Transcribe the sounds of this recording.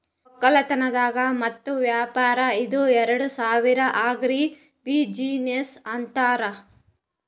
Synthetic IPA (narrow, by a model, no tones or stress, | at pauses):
ɔkːɐlɐt̪ɐnɐd̪aːɡɐmɐt̪ːuʋjaːpaːɾɐid̪uɛɾɐɽusaːʋiɾɐʔaːɡɾi | bid͡ʒiːnesɐnt̪aːɾɐ